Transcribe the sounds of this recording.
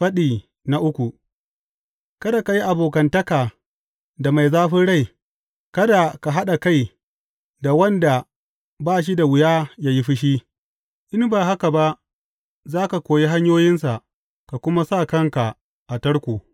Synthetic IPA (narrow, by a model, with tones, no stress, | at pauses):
ɸɐ˦ɗiː˨ | na˦ʔʊ˦kʷu˨ | kɐ˦da˨ka˨ji˦ʔa˨boː˨k̬ɐ˨ntɐ˦kaː˨ | da˨ma˨jzaː˦ɸɪ˦nɽa˦j | kɐ˦da˨ka˨ɦa˦ɗa˨ka˦˨j | da˨wɐ˦nda˨ | baː˦ʃ̬i˦da˨wɪ˨jaː˦jaː˦ji˦ɸɪ˦ʃi˦ | ʔɪ˦mbaː˨ɦa˦ka˨ba˦ʔ | zaː˦ka˨kʷoː˨ji˦ɦa˦ɲjoː˦jɪ˦ns̬a˨ʔ | ka˨kʷʊ˦ma˦sa˦˨kɐ˦ŋka˨ | ʔa˨tɐ˦ɽkʷuː˨